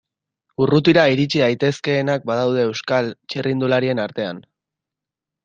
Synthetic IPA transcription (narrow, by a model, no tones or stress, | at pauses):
urut̪iɾaiɾit͡ʃiðajt̪e̞ske̞ːnak̚bað̞awð̞e̞ːwskalt͡ʃerind̪ulaɾie̞naɾt̪e̞a̰n